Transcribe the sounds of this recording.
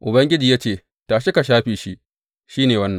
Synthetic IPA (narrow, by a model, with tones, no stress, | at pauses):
ʔʊ˨bɐ˦ŋɡʲɪ˦d͡ʒiː˨jaː˦t͡ʃeː˦˨ | taː˨ʃɪ˦ka˨ʃaː˦ɸiː˨ʃi˦ | ʃiː˦neː˨wɐ˦nːɐ˨